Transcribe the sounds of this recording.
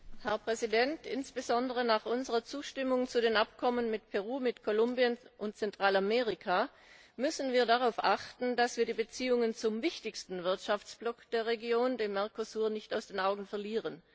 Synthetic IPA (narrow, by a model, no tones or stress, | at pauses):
hɛɐpʁ̥ɛzidɛntɪ̰nsb̥əzɔndəʁ̞ənaːχʔʊnzəʁɐt͡suːʃtɪmʊŋt͡sudeːnʔapkʰɔmənmɪtpʰɛʁuːmɪtkʰolʊmbiənʔʊntt͡sɛntʁ̥aːlameːʁ̞ɪkʰa | mʏsn̩viːɐdaʁ̞aʊfʔaχtn̩d̥asv̥iːɐdiːbət͡siːʊŋənt͡sʊmvɪçtɪçstn̩vɪɐtʃaft͡sb̥lɔkd̥eːɐʁeɡjoːndeːmːɛɐkosuːɐnɪçtaʊsd̥eːnaʊɡŋ̩fɛɐliːʁən